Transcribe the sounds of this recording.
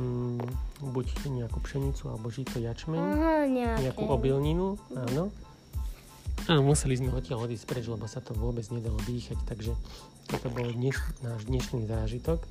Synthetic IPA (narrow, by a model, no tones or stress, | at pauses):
bucɲɛakupʃɛɲit͡sua̰lɛbɔʒiːt̪ɔjat͡ʃmɛɲɲɛɲɛakuʔɔbilɲinuaːnɔ | musɛlizmɛɔcɪalɔd̪iːsspɾɛd͡ʒlɛbɔsat̪ɔʋʊɔbɛd͡zɲɛd̪alɔd̪iːxact̪aɡʒɛ | t̪ɔt̪ɔbɔld̪ɲɛʃnaːʒd̪ɲɛʃniːzaːʒit̪ɔk